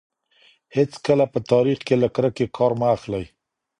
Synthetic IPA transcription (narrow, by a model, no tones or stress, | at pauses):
hɪt͡skəlapət̪ɑɾixkelakɾəkekʰɑɾmaːxlaj